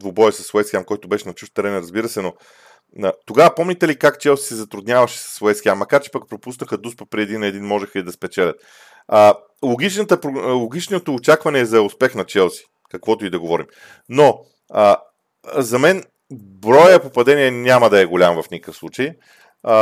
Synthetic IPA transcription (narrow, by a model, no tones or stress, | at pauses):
d̪vobɔjəsɐ̥svɛskʲiamkɔjt̪ʊbɛʃɛnɐt͡ʃuft̪ːɛɾɛnɾɐzbiɾəsɛno | t̪oɡavəpɔmnʲit̪ɛlikakt͡ʃɛlˠsi̥sɛzɐt̪ɾud̪nʲjavɐʃɛ̥sɐ̥svʊɛskʲiamːɐkaɾt͡ʃɛ̥pɐk̚pɾopusnəxəd̪uspɐ̥pɾiɛd̪inɛd̪inmɔʒɛxəid̪ɐspɛt͡ʃɛlʲət̪̚ | ə | lˠoɡit͡ʃnət̪əpɾlˠoɡit͡ʃnot̪oːt͡ʃakvɐnɛːzɐʊspɛxnɐt͡ʃɛlˠsi̥ | kɐkvɔt̪ʊid̪ɐɡovɔɾim | no | ə | zɐmɛn | bɾɔjəpopɐd̪ɛniɛnʲaməd̪ɐɛɡolʲamvɐfnʲikəfslˠut͡ʃəj